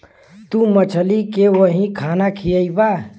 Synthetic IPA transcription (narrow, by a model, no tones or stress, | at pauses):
t̪umət͡ʃʰəlikewəɦĩkʰanakʰijəjba